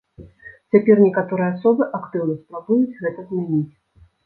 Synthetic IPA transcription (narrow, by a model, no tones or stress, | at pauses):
t͡sʲapʲɛrnʲɛkat̪ɔɾɨjɛasɔbɨʔakt̪ɨwnɐspɾabujut͡sʲɣɛt̪ɐzmʲanʲit͡sʲ